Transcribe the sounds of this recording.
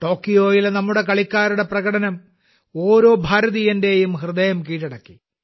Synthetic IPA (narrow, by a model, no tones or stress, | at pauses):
ʈo̞ːkːijo̞ːjilnɐmːuɽe̞kɐɭikʲːaːɾuɽe̞prɐɣɐɽɐnɐm | o̞ːɾo̞ːbʱaːɾɐðijɐnde̞jumhrɨðɐjɐmkiːʈːɐɽɐkːi